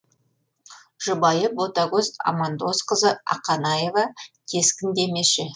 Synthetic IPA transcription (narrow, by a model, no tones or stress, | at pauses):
ʒ̥ʊbɑjəbot̪ɑɡozɑ̰mɑnd̪o̞sqəzəɑ̰qɑnɑje̞vɑkʲʰe̞skʲɪnd̪e̞me̞ʃɪ